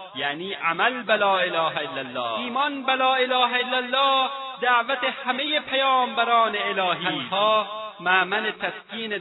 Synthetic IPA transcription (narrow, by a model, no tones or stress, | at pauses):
jaːniːʔamælbalɒːelɒːɦæelːælːɒ̰ːiːmɒːnbalɒːelɒːɦæelːælːɒːd̪æʕvæt̪ehhæmejepʰæjɒːmbæɾɒːneelɒːɦiaːnhɒːmaːmælet̪ʰæskiːne